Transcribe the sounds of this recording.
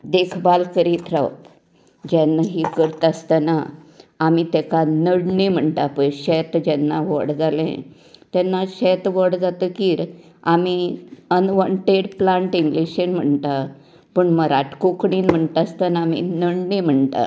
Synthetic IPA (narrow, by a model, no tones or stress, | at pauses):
d̪ekʰbalkəɾiːt̪ɾə̰p | d͡ʑɛnːaɦiːkəɾt̪əst̪anaː | mit̪ɛkanəɽɳim̤əɳʈapəjɕɛt̪d͡ʑɛnːaʋəɽd͡zalɛ̰̃ | t̪ɛnːaɕɛt̪ʋəɽd͡zat̪əkiːɾ | amiənʋəɳʈeɽplãɳʈiŋɡliɕenm̤əɳt̪a | pəɳməɾaʈkokɽiːnm̤əɳt̪ast̪ənaːmḭnəɽnim̤əɳt̪a̰